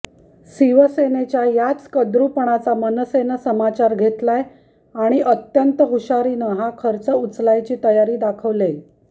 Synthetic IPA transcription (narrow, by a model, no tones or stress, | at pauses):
siʋəsenet͡ɕjajat͡skəd̪ɾupəɳ̃at͡samənəsenəsəmat͡ɕaɾɡʱet̪laj | aɽ̃iʔət̪jənt̪əɦuɕaɾinəɦakʰəɾt͡səut͡slajt͡ɕiːt̪əjaɾiːd̪akʰəʋle